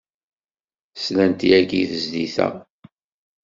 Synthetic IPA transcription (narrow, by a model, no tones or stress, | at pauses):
slænt̪iæɡiθəzd̪iθæ̰